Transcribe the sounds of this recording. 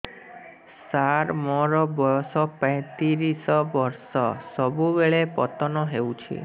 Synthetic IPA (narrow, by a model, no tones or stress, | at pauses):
saɾmɔɾɔbɔɔsɔpãj̃t̪iɾisɔbɔɾsɔsɔbubeɭepɔt̪ɔnɔɦewt͡ʃʰḭ